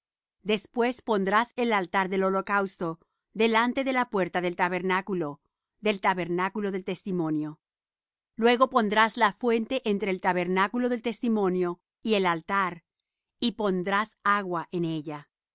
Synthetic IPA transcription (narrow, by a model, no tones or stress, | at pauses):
d̪e̞spwe̞spo̞nd̪ɾase̞lalt̪aɾðe̞lo̞lo̞kawst̪o̞ | ðe̞lant̪e̞ðe̞lapwe̞ɾt̪aðe̞lt̪aβe̞ɾnakulo | ðe̞lt̪aβe̞ɾnakulo̞ðe̞lt̪e̞st̪imo̞njo̞ | lwe̞ɣo̞po̞nd̪ɾaslafwe̞nt̪e̞ʔent̪ɾeːlt̪aβeɾnakulo̞ðe̞lt̪e̞st̪imo̞njo̞ | ielalt̪aɾ | ipo̞nd̪ɾasaɣwaʔene̞ʝa